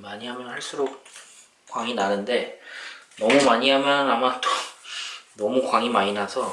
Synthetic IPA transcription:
maɲiɦamjʌnhaɭs͈uɾok̚ | k͈waŋinanɯnde̞ | nʌmumaɲiɦamjʌnamat͈o | nʌmukwaŋimaɲinasʰʌ

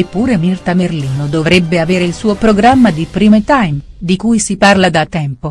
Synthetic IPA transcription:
epːuːɾemirt̪amerliːnod̪ovɾɛbːeaveːɾeilsuːopɾoɡɾamːad̪ipɾiːmet̪ajm | d̪ikuːjsiparlad̪at̪ːɛmpo

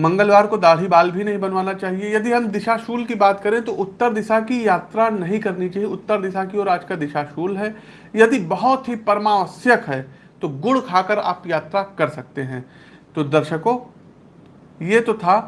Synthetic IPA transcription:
mɐ̃ŋɡəlʋaːɾkod̪aːɽ̤ibaːlbʱinɐɦĩbɐnʋaːnat͡ʃaːɦiejɐd̪iɦɐmd̪ɪʃaʃuːlkibaːt̪kɐɾẽt̪oʔʊt̪ːəɾd̪ɪsakijaːt̪ɾanɐɦĩkɐɾnit͡ʃaːɦieʊt̪ːəɾd̪ɪʃakiɔːɾaːd͡ʒkad̪ɪʃaʃuːlɦɛː | jɐd̪ibɐɦʊt̪ɦipɐɾmaːʋəsjəkɦɛː | t̪oɡʊɽkʰaːkəɾa̰ːpjaːt̪ɾakɐɾsɐk̚t̪eɦɛ̃ː | t̪oːd̪ɐɾʃəko | jet̪ot̪ʰaː

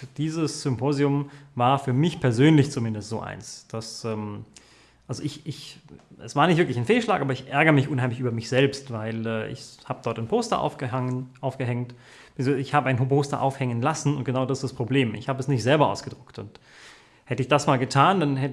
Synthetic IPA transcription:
d̥iːzəsz̥ʏmpʰoːziʊmvaːɐfyːɐmɪçpʰɛɐzøːnlɪçt͡sumɪndəstz̥o̰ːʔa̰ɪnsd̥asɛːm | ʔalzoʔɪçɪçʔɛ̰sv̥aːɐnɪçtvɪɐklɪçaɪnfeːlʃlaːkʔaːbɐɪçʔɛɐɡɐʁəmɪçʔʊnhɦaɪmlɪçyːbɐmɪçz̥ɛlpstvaɪlɛːʔɪ̰çhaːbədɔɐtaɪnpʰoːstɐ̰ʔa̰fʔaʊfɡ̥əɦɛŋt | mzoɪçhaːbəʔaɪnɦopʰoːstɐ̰ʔa̰ʊfhɛŋənlasn̩ʊnt̚ɡ̥ənaʊdasstd̥aspʁ̥obleːmʔɪ̰çhaːbəɛsnɪçtz̥ɛlbɐʔa̰ʊsɡ̥əd̥ʁʊktʊnt | hɛtəɪçd̥asmaːlɡətʰaːndanhɛt

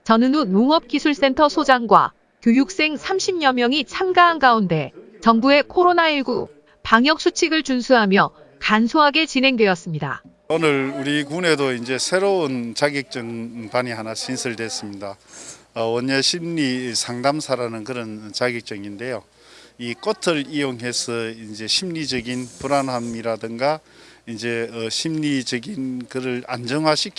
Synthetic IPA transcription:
t͡ɕʌnɯnunoŋʌp̚k͈isʰuɭs͈e̞ntʰʌsʰod͡ʑaŋɡwa̰ | kjojuk̚s͈e̞ŋsʰamɕʰimɲʌmjʌŋit͡ɕʰaŋɡaɦanɡaunde̞ | t͡ɕʌŋbue̞kʰoɾonaiɭɡu | paŋjʌk̚s͈ʰut͡ɕʰiɡɯɭt͡ɕunsʰuɦamjʌ | kansʰoɦaɡe̞t͡ɕinɦe̞ŋdwe̞jʌs͈ɯmɲida̰ | onɯɾuɾikune̞doind͡ʑe̞sʰe̞ɾount͡ɕaɡek̚t͡ɕ͈ɯŋpaɲiɦanaɕʰinsʰɯɭdwe̞s͈ɯmɲidaʌoneɕʰimɲisʰaŋdamsʰaɾanɯnkɯɾʌnt͡ɕaɡjek̚t͡ɕ͈ʌŋinde̞jo | ik͈ʌtʰɯɭijoŋɦe̞sʰʌind͡ʑe̞ɕʰimɲid͡ʑʌɡinpuɾanɦamiɾadɯŋɡa | ind͡ʑe̞ʌɕʰimɲid͡ʑʌɡinkɯɾɯɭa̰nd͡ʑʌŋɦaɕʰik

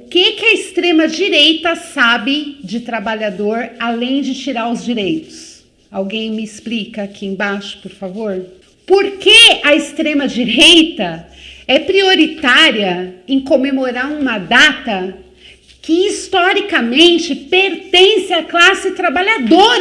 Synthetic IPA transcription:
ʊkekɪɐɪst̪ɾẽmɐd͡ʒiɾejt̪ɐsabɪd͡ʒɪt̪ɾabaʎad̪oɾalẽj̃d͡ʒɪt͡ʃiɾaɾʊzd͡ʒiɾejt̪ʊ̥s | awɡẽj̃mɪɪsplikɐːkʰiẽj̃baʃʊ̥poɾfavoɾ | poɾkeɐɪst̪ɾẽmɐd͡ʒiɾejt̪ɐ | ɛpɾioɾit̪aɾiɐẽkõmemoɾaɾũmɐd̪at̪ɐ | kɪist̪ɔɾikɐmẽnt͡ʃɪpeɾt̪ẽsɪaklasɪt̪ɾabaʎad̪oɾ

